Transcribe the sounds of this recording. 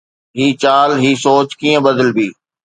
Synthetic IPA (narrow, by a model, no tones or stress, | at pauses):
ɦiːt͡ɕaːlɦiːsoːt͡ʃkiːə̃bəd̪əlbiː